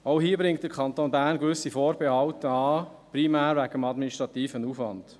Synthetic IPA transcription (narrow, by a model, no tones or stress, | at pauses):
oʊhiːəbɾɪŋkt̚d̥əɾkʰɑntoːnbæːɾnɡʋʏsifoːɾbɛhɑwtəɑː | primæːɾʋæɡəmɑdminiʃtɾɑtiːfənuːfʋɑnd̥